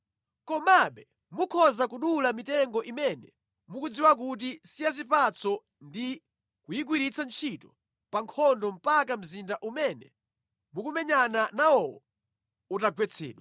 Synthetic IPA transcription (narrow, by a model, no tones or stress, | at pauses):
kɔmaɓɛ | mukʰɔzakuɗulamitɛŋɡɔʔimɛnɛ | mukud͡ziwak̬ut̬isijazipat͡sʰɔ | ndi | kujik̬wiɾit͡sʰant͡ʃʰitɔ | paŋkʰɔndɔm̩pakam̩zindaʔumɛnɛ̰ | mukumɛɲananawɔwɔ̰ | utaɡwɛt͡sʰɛ̰ːɗwa